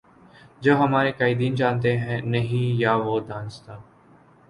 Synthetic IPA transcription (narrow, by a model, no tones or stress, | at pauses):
d͡ʒoːɦəmaːɾekaːiːd̪iːnd͡ʒãːnt̪eɦɛ̃nəɦĩjaːʋoːd̪ãːnst̪aː